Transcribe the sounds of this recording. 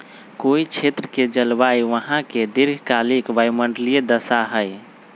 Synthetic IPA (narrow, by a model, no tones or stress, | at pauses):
koit͡ʃʰet̪ɾəked͡ʒəlbajʋəɦãked̪iɾɡʱkalikʋajməɳɖlied̪əsaɦəj